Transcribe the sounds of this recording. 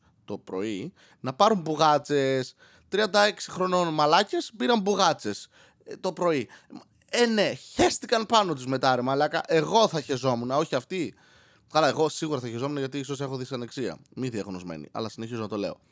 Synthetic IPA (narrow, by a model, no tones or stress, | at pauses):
t̪o̞pɾo̞̰i | nɐpɐɾumbuɣɐt͡se̞s | t̪ɾiɐnd̪ɐe̞ksi̥xɾo̞no̞nmɐlɐce̞spiɾɐmbuɣɐt͡se̞s | t̪o̞pɾo̞i | ene̞çe̞st̪ikɐnpɐno̞t̪uzme̞t̪ɐɾemɐːlɐkɐ̰ʔe̞ɣo̞θɐçezo̞munɐo̞çiɐft̪i | kɐlɐe̞ɣo̞siɣuɾɐθɐçezo̞munɐʝɐt̪iiso̞se̞xoðisɐneksiɐ̰miðiɐɣno̞zme̞̰nḭʔɐ̰lɐsineçizo̞nɐt̪o̞le̞̰o̞̰